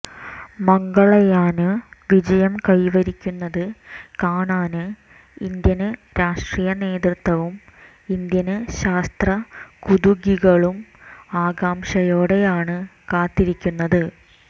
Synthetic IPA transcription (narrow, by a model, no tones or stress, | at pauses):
mɐŋɡɐɭɐjaːnɨʋid͡ʑɐjɐmkɐjʋɐɾikʲːunːɐðɨkaːɳaːnɨ | ind̪jɐnɨɾaːʂʈrijɐne̞ːd̪rɨt̪wɐʋum | ind̪jɐnɨɕaːst̪rɐkuðuɡiɣɐɭumaːɡaːmʂɐjo̞ːɽe̞jaːɳɨkaːt̪ːiɾikʲːunːɐðɨ